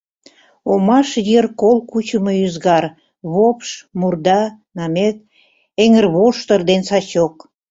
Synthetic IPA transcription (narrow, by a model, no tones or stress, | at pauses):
omɑʃjerkolkut͡ɕəməyzɣɑr | βopʃmurd̪ɑ | nɑmet̪̚ | eŋərβoʃt̪ərd̪ensɑt͡ɕok